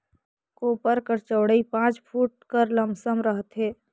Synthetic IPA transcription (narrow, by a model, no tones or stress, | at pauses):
koːpəɾkəɾt͡ʃəʊɽəipãːt͡ʃpʰuːʈ̚kəɾləmsəmɾəɦət̪ɦeː